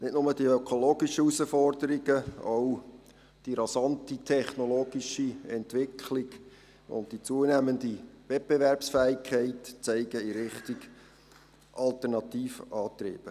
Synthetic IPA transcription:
nɪtnʊmədiəøkʰoloːɡiʃəusəfɔrdəɾiɡəoʊ | d̥iɾɑsɑntitʰɛχnoloːɡiʃiɛntʋɪkʰlɪɡ̥ | ʊ̰nd̚d̥it͡suənæːməndivɛt̚b̥evɛɾpsfɛːikʰæɪtt͡sɛɪɡəiɾɪχtiɡ | ʔɑltəɾnɑt̪iːfɑːt̪ɾḛːb̥ə

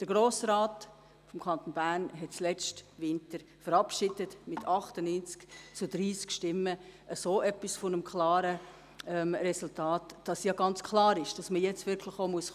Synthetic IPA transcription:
d̥əɾɡɾoːsɾaːt | fɔmkʰɑntonbæɾnɦɛtslɛt͡stʋɪntəɾ | fəɾɑpʃɪdətmɪtʰɑχtənynt͡skt͡sʊdɾiːskʃtɪmːəʔəsoːʔɛpisfonəmkʰlɑːɾə | ɛmɾɛsʊltʰɑːtd̥ɑsjɑɡɑnt͡skʰlɑːɾɪʃd̥ɑsməjɛt͡stvɪɾkʰlɪχomuəs

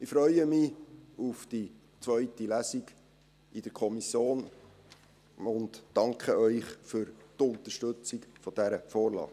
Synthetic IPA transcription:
ɪfɾœʏəmɪufd̥i | t͡sʋœʏtilæsiɡ | ɪd̥əɾkʰɔmisjoːn | ʊnttːɑŋkχəœʏχfʏɾtʊnt̪əʃtɵt͡sikfɔd̥æɾəfoːɾlɑ̰ː

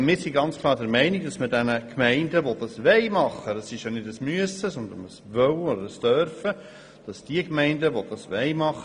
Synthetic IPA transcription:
mɪːɾsiɡɑnt͡skʰlˠɑːɾdɛɾmɛɪnɪɡ̚d̥ɑsmɪd̥ɛnəkmɛɪndəʋotdɑsʋɛɪmɑχːədɑsɪʃjɑnɪdəsmyəsəsɔnd̪ənməsʋœwəɔd̪əɾəsd̥œɾfə | d̥ɑsd̥iəkmɛɪndəʋod̪ɑsʋɛɪmɑχːə

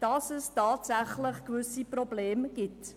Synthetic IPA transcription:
d̥ɑsɛstɑːtsæχləχkvʏsiprɔbleːmɡ̥ɪt

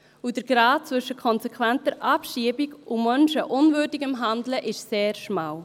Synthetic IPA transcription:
udəɾɡ̥ɾɑːt̚t͡svɵʃəkʰɔnsɛkʰwænt̪əɾʔɑpʃiəbiɡumœnʃəʔʊnvʏːɾdiɡəmɦɑndləʔɪʃseːɾʃmal

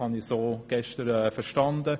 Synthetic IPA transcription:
ɑnɪsoːɡ̥ɛʃtəɾfəɾʃtɑndə

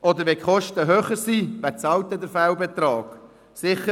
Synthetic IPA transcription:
ʔɔd̪əɾʋɛkχɔʃtəɦøːχəɾsiʋæːt͡sɑlt̪əd̪əɾfæwbet̪ɾɑːɡ̥ | sɪχə

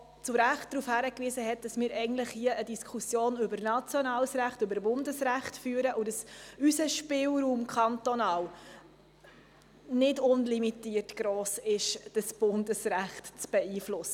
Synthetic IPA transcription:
t͡sʊɾæχt̚d̥ɾuːfhæɾəkviːsəɦɛt̚d̥ɑsmɪːɾɛɪɡn̩tləχhiəʔədiskʰusjoːnʏbəɾnɑt͡sjɔnɑːlsræχtøbəɾbʊndəsræχtfyːəɾəʔʊdɑsysəʃpɪlɾuːmkʰχɑntonɑːl | nɪdʊnlimitiːərtɡ̥ɾoːsɪʃd̥ɑsb̥ʊndəsræχtt͡sb̥ɛiːflʊsːə

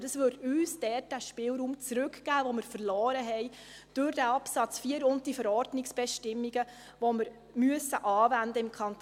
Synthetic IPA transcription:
d̥ɑsʋʏɾdyːsd̥ɛt̚d̥æʃpɪːlɾuːmt͡sɾʉkɡæːʋɔmɪɾfəɾlɔːɾəɦɛɪ | d̥ʊɾdæɑpsɑt͡sfiːəɾʊnt̚d̥ifəɾɔːɾtnɪksb̥ɛʃtɪmːiɡə | ʋɔmɪɾ | myəsəʔɑːvændəɪmkʰɑnt

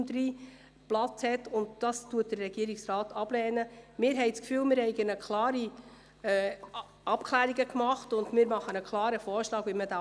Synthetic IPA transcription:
dɾi | plɑt͡shɛtʊndd̥ɑːstuət̚d̥ərrɛɡ̥iəɾiksrɑːtʰɑb̥lɛːnəmɪːɾɦɛɪt͡skfyːlmɪːɾhɛɪɡənəkʰlɑːɾi | ɑpkʰlæːɾiɡəkmɑχtʊndmɪːɾmɑχənəkʰlˠɑːɾəfɔːɾʃlɑːɡʋimədɑ

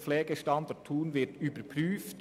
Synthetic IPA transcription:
flɛːɡ̥əʃtɑnd̪ɔtʰuːnʋɪtyːbəɾpʰɾyːft

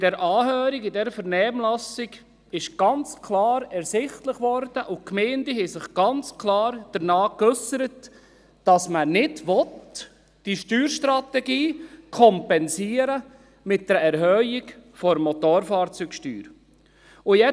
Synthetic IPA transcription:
d̥ɛɾʔɑːhøːɾiɡɪdɛɾəfəɾnɛːmlɑsɪɡ | ɪʃɡ̥ɑnt͡skʰlɑːɾɛɾsɪχtləχʋɔɾd̥əʔʊkmɛːndihɛsɪχɡ̥ɑnt͡skʰlɑːɾd̥əɾnɑːkɵsəɾət | d̥ɑsmənɪdʋɔt | d̥iʃtyːɾʃtɾɑt̪ɛɡiːkʰɔmpɛnsiːəɾə | mɪt̚dəɾɛɾɦœiɡfɔɾmɔt̪oːɾfɑːɾt͡sykʃty̰ːɾ | ʊjɛ

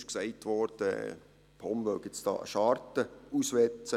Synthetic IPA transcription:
ʃksɛɪt̪ʋɔɾd̥ə̰ | pʰɔmʋœwɡ̥ɪt͡sd̥ɑ̰ːə̰ʃɑrtəusʋɛt͡sə

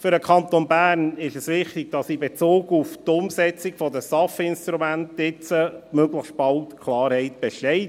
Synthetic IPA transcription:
fʏɾəkʰχɑnt̪onbæːɾnɪʃəsʋɪχtɪɡ̥̚d̥ɑsibet͡soːɡuftʊmsɛt͡sɪɡfɔdəsɑfɪnst̪ɾumæntːɪt͡səmøɡləχʃt̚b̥ɑltkʰlɑːɾhɛɪtb̥ɛʃtɛɪt

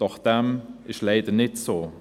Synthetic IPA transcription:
ɔχd̥ɛmɪʃlaɪdənɪtsoː

